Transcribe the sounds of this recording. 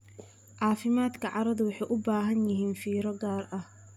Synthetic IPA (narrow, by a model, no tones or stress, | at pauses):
ʕɑːfɪmaːd̪kʰɐʕɑɾɐðʊwɑħɑjʔʊbaːɦɐnjɪɦiːnfiːɾɔɡaːrʔɐh